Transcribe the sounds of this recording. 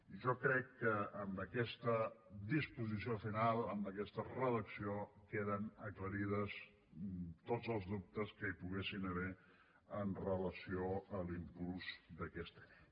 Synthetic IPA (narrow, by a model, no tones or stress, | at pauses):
ʒɔkɾɛkːəːmbəkɛst̪əd̪ispuzis̬iofinalˠəmbəkɛst̪ərəðəksiokeðənəkləɾiðəs | t̪od͡zəlˠzðup̚t̪əskəipuɣesinəβɛ | ənrələsioəlimpulˠzd̪əkɛst̪ḁ